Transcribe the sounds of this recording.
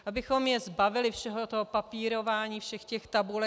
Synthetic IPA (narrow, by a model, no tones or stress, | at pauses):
ʔabɪxo̞mjɛzbavɪlɪfʃɛɦot̪oɦopapiːɾo̞vaːɲiːfʃɛxcɛxt̪abulɛ